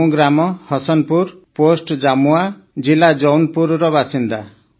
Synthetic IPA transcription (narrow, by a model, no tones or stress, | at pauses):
ɡɾamɔhɔsɔnpuɾposʈd͡ʒamua | d͡ʒilad͡ʒɔwnpuɾɾɔbasind̪a